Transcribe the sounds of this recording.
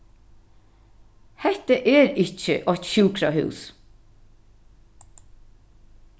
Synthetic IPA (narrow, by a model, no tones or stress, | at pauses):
hɛht̪əʔɛɾɪht͡ʃə̰ʔɔçt̪ɕʉːkɾahʉ̰ːs